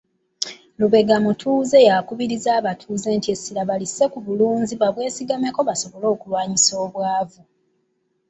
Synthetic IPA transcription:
luβe̞ɡamutʰuːze̞jakuβiɾizaːβatʰuːze̞ːntiesilaβalise̞kuβuluːnziβaβwe̞ːsiɡame̞ko̞βaso̞βolo̞ːkulwaːɲiso̞ːβwaːvu

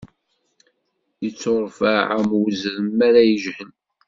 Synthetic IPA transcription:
jət͡sːoɾˤfaʕamwzɾəmːæɾæjəʒhən

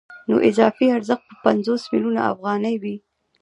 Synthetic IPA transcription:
no̰ʔɪzɑfiaɾzəx̚pəpanzosmiluna̰a̰fɣɑnəjwi

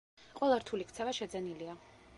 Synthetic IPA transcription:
qʼwɛlˠaɾt̪ʰulikʰt̪sʰɛvaʃɛd̪zɛnilia

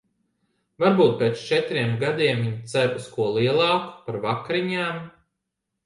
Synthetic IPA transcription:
vaɾbuːt̪̚peːt̪st͡ʃɛt̪ɾiɛmɡad̪iɛmːiɲt̪sæɾuskuɔlˠiɛlˠɑːku̥paɾvakɾiɲaːm

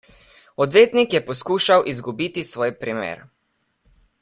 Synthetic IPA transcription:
ɔd̪ʋeːt̪nikjɛpɔskuːʃawʔizɡubiːt̪isʋɔːjpɾimḛːɾ

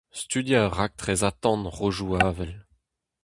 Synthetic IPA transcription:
st̪yd̪jaʁak̚t̪χɛzat̪ɑ̃nʁoʒuaːvɛl

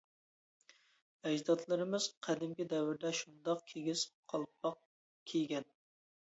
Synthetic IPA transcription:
ɛd͡ʒd̪ɑt̪ʰlˠɨɾɨmɨz̥qʰæd̪ɪmkʲid̪ɛwɪɾd̪ɛʃund̪ɑqkʲʰeɡʲiz̥qʰɑlˠpɑq̚ | kʲʰejɡʲɛn

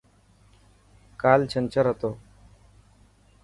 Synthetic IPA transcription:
kaːlt͡ɕʰənt͡ɕəɾɦət̪oː

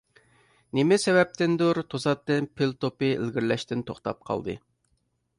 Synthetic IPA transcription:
nemɪsɛvɛp̚t̪ɪnd̪uɾt̪ʰosɑt̪ːɨnpʰɪlt̪opɨḛlɡʲiɾlɛʃt̪ɪnt̪ʰoχt̪ɑ̰p̚qʰɑ̰lˠd̪ɨ̰

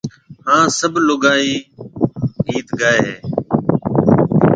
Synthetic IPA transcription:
ɦãːsəbʱlʊɡaːĩː | iːt̪ɡaːeːɦeː

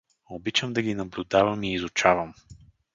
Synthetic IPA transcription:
obit͡ʃəmd̪ɐɡʲinɐblʲʊd̪avəmiːzʊt͡ʃavəm

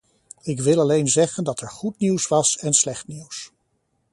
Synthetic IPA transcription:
ɪkʋɪlˠɑlejnzɛχəndɑtɛɹχutniwsʋɑsɛnslɛχtniws

